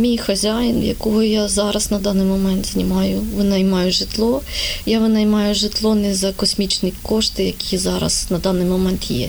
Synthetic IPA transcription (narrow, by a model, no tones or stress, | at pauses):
mʲijxɐzʲajɪnjɐ̰kɔɦɔjazɑɾɐznɐd̪ɑnɪjmɔmɛnt̪z̥ʲnʲimɑjʊʋɪnɐjmɑjʊʒɪt̪lˠɔjaʋɪnɐjmɑjʊʒɪt̪lˠɔnɛzɐkɔsʲmʲit͡ʃnʲikɔʂt̪ɪjɐkʲizɑɾɐ̰znɐd̪ɑnɪjmɔmɛnt̪jɛ̰